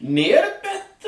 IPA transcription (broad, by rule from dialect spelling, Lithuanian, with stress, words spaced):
ˈnʲeːr bʲɛt